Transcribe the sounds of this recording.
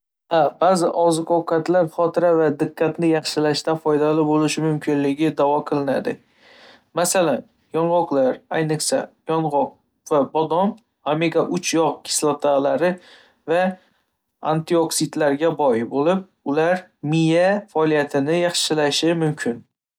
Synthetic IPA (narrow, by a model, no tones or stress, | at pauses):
habazɪʔɒzɪkʰowkʰat̪laɾχɒt̪ʰɪɾavad̪ɪqʰːat̪nɪjɑχʃɪlaʃt̪afɒjd̪alɪbolɪʃɪmʊmkʲʰɪnlɪɡʲɪd̪avɒqʰɨlˠɪna̰d̪ɪ | masalan | jɒɴʁɒqlˠaɾajnɨχsa̰jɒɴʁɒq̚ | vabɒd̪ɒn | ameɡaʔʊt͡ʃʰjɒʁkʲʰɪ̥slˠat̪ʰalaɾɪ | va | a̰nt̪ʰioksɪd̪laɾɡʲabɒjɪbolɪp̚ | ʊlaɾmɪjafaɒlijat̪ʰɪnɪjɑχʃɪlaʃɪmʊmkʲʰɪn